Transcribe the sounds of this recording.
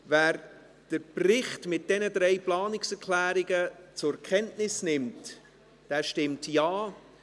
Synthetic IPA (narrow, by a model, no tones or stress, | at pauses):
væːɾ | d̥əɾprɪχtmɪt̚d̥ɛnəd̪ɾɛjplɑːnɪksɛɾkʰlæːɾɪɡət͡sʊkʰɛntnɪsnɪmt | d̥ɛːʃtɪmtjaː